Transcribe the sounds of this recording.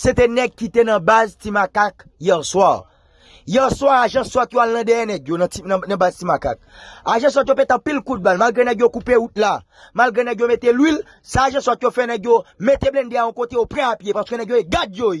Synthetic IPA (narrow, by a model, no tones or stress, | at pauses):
set̪ɛnɛɡ̚kːit̪enɐ̃baztimakakjɛʁswaʁ | jɛʁswaʁaʒɐ̃swat̪joalnɐ̃dɛjɛnɛɡjoñiñnɐ̃baztimaka̰k̚aʒɐ̃s̬wat̪̬jopɛt̪ɐ̃pilkud̪̚balmalɡʁenɛɡjokupeut̪̚la | malɡʁenɛɡjomet̪elwil | saːʒãswat̪jofɛnɛɡjomet̪eblɛ̃ndeaɔ̃kot̪eopʁɛ̃apjepaʁsəkønɛɡjoeɡadjoi